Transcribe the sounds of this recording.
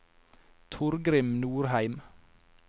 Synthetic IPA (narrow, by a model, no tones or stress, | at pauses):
t̪ʰʊɾɡɾɪmnuːɾhæɪm